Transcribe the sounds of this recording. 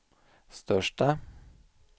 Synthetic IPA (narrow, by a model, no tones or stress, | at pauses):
st̪œʂʈə